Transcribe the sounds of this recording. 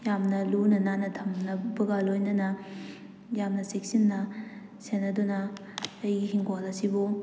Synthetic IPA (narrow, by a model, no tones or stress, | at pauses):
jamnɐlunɐnanɐtʰɐmnɐbɐɡalojnɐnɐ | jamnɐsek̚sinːɐ | senɐdunɐːjɡiɦiŋɡolɐsibu